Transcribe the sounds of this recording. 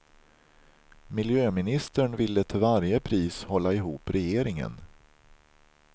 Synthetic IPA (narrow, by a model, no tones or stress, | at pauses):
mɪljøːmɪnɪst̪əɳvɪlːət̪ʰɪlvaɾjəpʰɾiːshɔlːaɪɦuːpɾɛjeːɾɪŋə̰n